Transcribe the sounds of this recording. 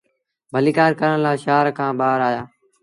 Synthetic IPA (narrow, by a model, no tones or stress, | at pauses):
bʱəliːkaːɾkəɾəɳlaːʃaːɾkʰãːbaːɾaːjaː